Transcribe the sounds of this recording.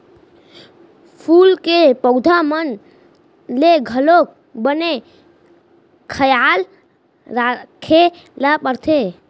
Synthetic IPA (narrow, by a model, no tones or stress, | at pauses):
pʰulkepəʊd̪ʱamən | leɡʱəlok̚ | bəne | kʰəjal | ɾakʰe | lapəɾt̪ʰe